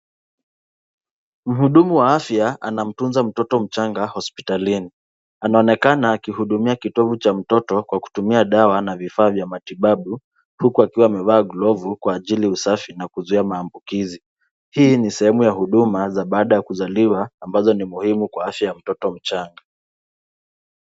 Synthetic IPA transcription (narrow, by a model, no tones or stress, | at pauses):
m̩huɗumuwaafjaa̰nam̩tunzam̩tɔtɔm̩t͡ʃaŋɡahɔspitalini | anaɔnɛkanaːkihuɗumiakitɔvut͡ʃam̩tɔtɔkwaku̥tumiaɗawanavifaːvjamatiɓaɓu | hukuakiwaːmɛvaːɡlɔvukwaːʄiliusafinakuzuiamaːmbukizi | hiːnisɛhɛmujahuɗumazaɓaːɗajakuzaliwaːmbazɔnimuhimukwaafjajam̩tɔtɔm̩t͡ʃaŋɡa